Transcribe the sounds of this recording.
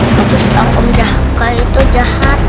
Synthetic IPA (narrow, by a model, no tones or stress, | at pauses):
kapust̪aŋkɔ̰md͡ʒah | kait̪ud͡ʒahat̪̚